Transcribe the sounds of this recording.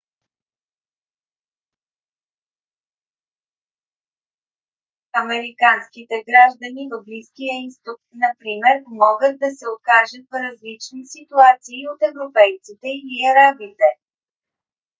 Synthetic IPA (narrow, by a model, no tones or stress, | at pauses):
ɐmɛɾikanskit̪ɛɡɾaʒd̪ɐnivɐbliskijəist̪ʊk̚nɐpɾimɛɾmɔɡət̪̚d̪ɐsɛokaʒət̪̚vɾɐzlit͡ʃnisit̪uat̪siːot̪ɛvɾopɛjt̪sit̪ɛiliɐɾabit̪ɛ